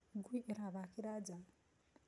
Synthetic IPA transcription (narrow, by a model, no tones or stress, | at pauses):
ɡwiʔɾaβakiɾad͡za